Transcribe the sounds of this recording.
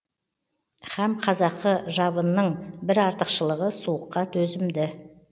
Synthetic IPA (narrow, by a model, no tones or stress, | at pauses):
χæmqʰɑzɑqːəʒɑbənːəɴbɪɾɑɾt̪əqʃəlˠəʁəsuwəqːɑt̪ʰɵzɪmd̪ɪ